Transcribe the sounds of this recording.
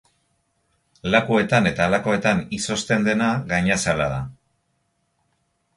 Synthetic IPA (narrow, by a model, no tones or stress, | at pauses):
lakue̞t̪ane̞t̪aːlako̞e̞t̪aniso̞st̪e̞nd̪e̞naɣaɲasalaða